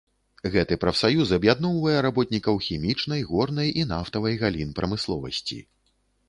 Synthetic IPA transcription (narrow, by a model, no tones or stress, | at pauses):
ɣɛt̪ɨpɾɐfsajusɐbjad̪nɔwvɐjɛɾabɔt̪̚nʲikɐwxʲimʲit͡ʂnɐjɣɔrnɐjʔin̪aft̪ɐvɐjɣalʲinpɾɐmɨslˠɔvɐ̰sʲt͡sʲḭ